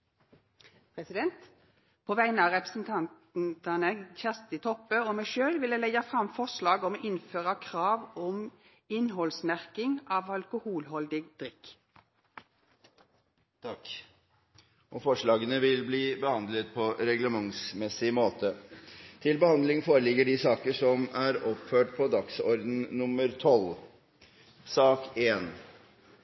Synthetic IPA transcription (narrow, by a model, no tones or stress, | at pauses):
pʰʁɛsɪd̪ɛnt̪ | pʰoːʋæɪnəɑːʁɛpʁəsnt̪ʰɑnt̪t̪ɑnəçæʁst̪ɪt̪ʰɔpːəoːmæʃøːlʋɪlæɪlɛɡɑfʁɑmfɔʁslɑːɡɔmːʔɪnføːʁɑkʰʁɑːʋɔm | ɪnɦɔlsmæʁkɪŋɑːʋɑlkʊhuːlɦɔld̪ɪɡ̚d̪̥ʁɪk | t̪ʰɑk | ʔɔfɔʂɭɑːɡənəʋɪlbliːbəhɑnd̪lət̪̚pʰɔɾɛɡləmɑŋsmɛsːɪmoːt̪ət̪ʰɪlbəhɑnd̪lɪŋfoːɾəlɪɡːəɖɪsɑːkəʂɔmæɾɔpføːʈ̚pʰɔd̪ɑksɔɾd̪n̩nʊməɾt̪ʰɔl | sɑːkeːn